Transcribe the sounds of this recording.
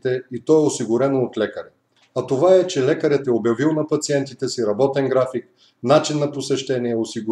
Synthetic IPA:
t̪ɛit̪ɔɛosiɡʊɾɛnoːt̪lɛkəɾɛ | ɐt̪ovaɛt͡ʃɛlɛkəɾɛt̪ɛobjɐvilˠnɐpɐt̪siɛnt̪it̪ɛsiɾɐbɔt̪ɛnɡɾafik̚ | nat͡ʃinːɐposɛʃt̪ɛniɛosiɡʊ

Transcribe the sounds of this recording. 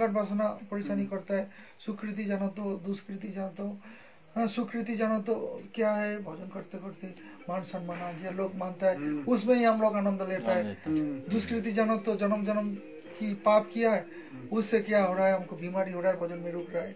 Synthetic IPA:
kaɾbʱasnapɔɾisanikɔɾt̪aɦɛ | sukɾit̪̬id͡ʒanat̪od̪uskɾit̪id͡ʒant̪õ | sukɾit̪̬id͡ʒanat̪okjaɦɛbʱɔd͡ʒɔnkɔɾt̪ekɔɾt̪e | mansənmanad͡ʒelokmant̪aɦɛʊsmẽɦiɦamɾakanɔ̃nd̪ʱlet̪aɦɛd̪uskɾit̪̬id͡ʒanat̪od͡ʒɔnəmd͡ʒɔnəm | kipapkijaɦɛ | ʊsekjaɦoɽaɦeɦamkobʱimaɾiɦoɽaɦebʱɔd͡ʒɔnmẽɾukɾaɦe

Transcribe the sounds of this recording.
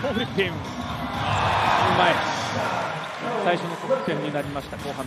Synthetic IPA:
oɾɯp̪ẽm | ɯmae | saiɕo̞nosokɯ̥t̪ẽ̞ɲɲːinaɾʲimaɕi̥t̪ako̞ːhã

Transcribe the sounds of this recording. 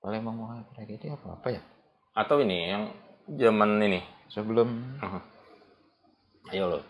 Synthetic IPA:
palɪŋmaŋmokaapiɾaɡit̪iapaa̰paja | at̪awinijaŋd͡ʒamaninɪsəbəloməɦə | ajolo

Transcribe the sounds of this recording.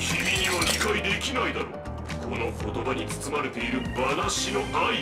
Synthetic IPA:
kʲimʲiɲ̟iβaɾʲikaid̪e̞kʲinaid̪aɾo | kʰo̞no̞ko̞t̪o̞baɲ̟it͡sɨ̥t͡sɨmaɾe̞t̪e̞iɾɯ̟banaɕino̞ai

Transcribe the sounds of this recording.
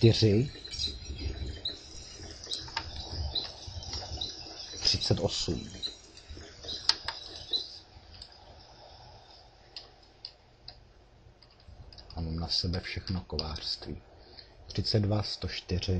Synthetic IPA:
t̪ɪr̝ɪ | t̪r̝̥ɪt͡sɛt̪ʔo̞sṵm | amamnasɛbɛfʃɛxnokovaːr̥st̪vḭːt̪r̥ɪt͡sɛddvast̪o̞ʃt̪ɪr̝ɪ

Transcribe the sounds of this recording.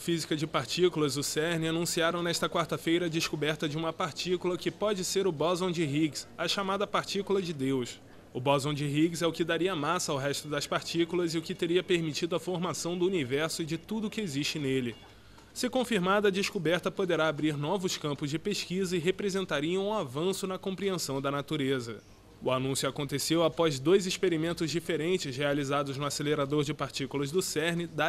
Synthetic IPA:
ɐfizikɐd͡ʒɪpaɾt͡ʃikulɐzʊsɛɾnɪanũsiaɾɐ̃w̃nɛʃt̪ɐkwaɾt̪ɐfejɾɐːd͡ʒɪʃkubɛɾt̪ɐd͡ʒɪũmɐpaɾt͡ʃikulɐkɪpɔd͡ʒɪseɾʊbɔzõd͡ʒɪɦiɡsɐʃamad̪ɐpaɾt͡ʃikulɐd͡ʒɪd̪ews | ʊbɔzõw̃d͡ʒɪɦiɡzɛʊkɪd̪aɾiɐmasɐawɦɛʃt̪ʊd̪ɐspaɾt͡ʃikulɐzɪʊkɪt̪eɾiɐpeɾmit͡ʃid̪ʊɐfoɾmasɐ̃w̃d̪ʊunivɛɾsʊɪd͡ʒɪt̪ud̪ʊkɪeziʃt͡ʃɪnelɪ | sɪkõfiɾmad̪ɐd͡ʒɪʃkubɛɾt̪ɐpod̪eɾaːbɾiɾnɔvʊskɐ̃mpʊzd͡ʒɪpeʃkizɐɪɦepɾezẽnt̪aɾiɐ̃w̃ũavɐ̃sʊnɐkõpɾiẽsɐ̃w̃d̪ɐnat̪uɾezɐ | ʊanũsjʊakõnt̪esewapɔzd̪ojziʃpeɾimẽnt̪ʊzd͡ʒifeɾẽnt͡ʃɪzhealizad̪ʊznʊaseleɾad̪oɾd͡ʒɪpaɾt͡ʃikulɐzd̪ʊsɛɾnɪd̪a

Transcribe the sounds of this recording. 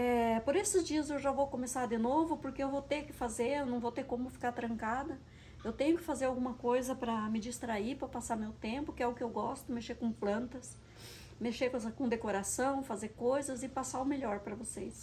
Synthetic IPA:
ɛpoɾesɪzd͡ʒiɐzewʒavowkõmesaɾd̪ɪnovʊpoɾkeewvowt̪ekɪfazeɾewnɐ̃w̃vowt̪ekõmʊfi̥kaɾt̪ɾɐ̃ŋkad̪ɐ | ewt̪ẽɲʊkɪ̥fazeɾawɡũmɐkojzɐpɾɐmɪd͡ʒist̪ɾaipɾɐpasamewt̪ẽmpʊkɪɛʊkɪewɡɔst̪ʊmeʃekõplɐ̃nt̪ɐs | meʃeksɐkõd̪ekoɾasɐ̃w̃fazeɾkojzɐzɪpasaʊmeʎɔɾpɾɐvosejs

